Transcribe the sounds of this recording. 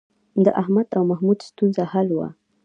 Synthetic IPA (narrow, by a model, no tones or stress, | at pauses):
d̪əʔahmad̪awmahmud̪st̪unzahalwa̰